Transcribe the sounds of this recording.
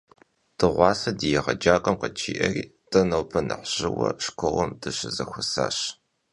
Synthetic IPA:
tɨʁʷɑːsɐdijɛʁɐd͡ʒaːkʼɐmqɐt͡ʃʰiːʔɐriːtʼɐnɐwpʰɐnɨ̰ħɕɪwɐʂkʷʰɐwɐmdɨɕɪzɐxʷʊsa̰ːɕ

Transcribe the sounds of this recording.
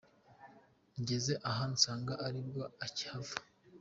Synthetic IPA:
ɲɟezeʔaɦansaːŋɡaʔaɾibɡoaci̥havḁ

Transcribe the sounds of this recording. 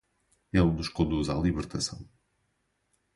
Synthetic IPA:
elˠnuʃkõnd̪uza̰lˠiβɨɾt̪ɐsɐ̰̃w̃

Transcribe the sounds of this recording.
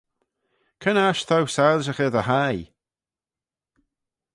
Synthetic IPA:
kʰənaʃθʰawsalʃəχɛðəhaj

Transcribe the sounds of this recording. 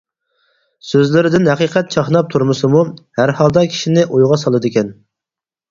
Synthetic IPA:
søzlɪɾɪd̪ɪnɦɛqiːqʰɛt̪̚t͡ʃʰɑχnɑp̚t̪ʰuɾmɨsɨmuhæɾhɑlˠd̪ɑkʲʰi̥ʃinɪʔojʁɑsɑlˠɨd̪ɪkʲɛn

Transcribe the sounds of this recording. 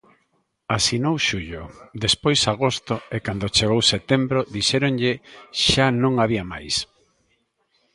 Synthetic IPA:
asinowʃuʎod̪espojsaɣ̞ost̪ʊekand̪ot͡ʃeɣowset̪embɾoðiʃɛɾoŋʎɪʃanõŋaβiama̰js

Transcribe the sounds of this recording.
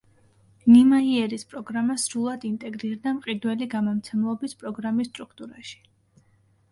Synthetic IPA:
nimaiɛɾispʼɾɔɡɾamasɾulˠad̪int̪ʼɛɡɾiɾd̪amqʼid̪wɛliɡamɔmt̪sʰɛmlˠɔbispʼɾɔɡɾamist̪ʼɾukʰt̪ʼuɾaʃi̥

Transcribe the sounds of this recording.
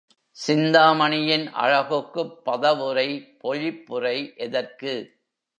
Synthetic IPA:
sɪnd̪aːmɐɳɪjɪnʔɐ̰ɻɐɣɯkːɯpːɐðɐʋɯrɐɪpɔɻɪpːɯrɐɪʔɛðɐrkɯ

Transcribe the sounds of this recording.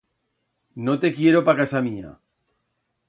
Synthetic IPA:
no̞t̪e̞kje̞ɾopakasamia̰

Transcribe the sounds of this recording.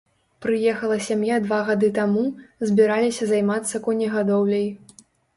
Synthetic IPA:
pɾɨjɛxɐlˠɐsʲamjad̪vaɣad̪ɨt̪amuzʲbʲiɾalʲisʲɐzajmat̪sːɐkɔnʲɛɣad̪ɔwlʲɐj

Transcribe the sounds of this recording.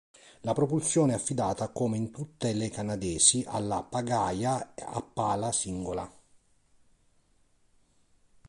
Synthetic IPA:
lapɾɔpulsjɔːneɛafːid̪aːt̪akoːmeint̪ut̪ːelekanad̪ɛːsiʔa̰lːapaɡaːjaa̰pːaːlasiŋɡola̰

